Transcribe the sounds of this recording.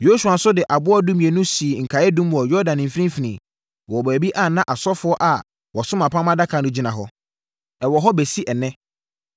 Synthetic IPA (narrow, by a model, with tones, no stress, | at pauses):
jo˦su˨a˨n̩˦sʊ˦dɪ˨ʔa˨bʊ˦ɔ˦dũ˦mĩ˨e˨nũ˦si˨ŋ̩˨kʰa˨ɛ˦dũ˦m˨ɔ˨jɔ˦dã˨n˨m̩˨fi˦ɾĩ˦m˦fi˨nĩ˨ | wɔ˨bæː˨bi˦ʔa˦˨nã˦ʔa˨sɔ˦fʊ˦ɔ˦ʔa˨ | wɔ˨sʊ̃˦mã˨pʰã˦mã˦da˦kʰa˨nʊ̃˦d͡ʑi˦nã˨ɦɔ˦ | ɛ˨wɔ˨ɦɔ˦be˨si˦ʔɛ˨nɛ̃˦